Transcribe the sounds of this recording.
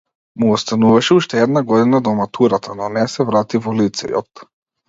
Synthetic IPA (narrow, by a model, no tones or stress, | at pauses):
muɔst̪anuvaʃɛuʃt̪ɛɛd̪naɡɔd̪inad̪ɔmat̪uɾat̪ʰanɔnɛsɛvɾat̪ivɔlit̪sɛ̰jɔ̰t̪